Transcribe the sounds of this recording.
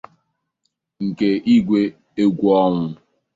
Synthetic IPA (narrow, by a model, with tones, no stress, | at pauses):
ŋ̩˨ke˨ʔi˦ɡʷe˦ | e˦ɡʷu˦ɔ˦ŋʷʊ˦